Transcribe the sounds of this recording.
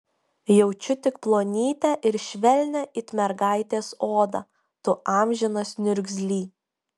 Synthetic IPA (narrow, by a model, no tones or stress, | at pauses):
jɛʊt͡ʃʲʊt̪ʲɪkplˠoːnʲiːt̪ʲɛʔɪɾʃʲʋʲɛlʲnʲɛʔɪt̪ʲmʲɛɾɡɑˑɪt̪ʲeːsoːd̪ɐ | t̪ʊʔɑːmʲʒʲɪnɐsnʲʊɾʲɡzʲlʲiː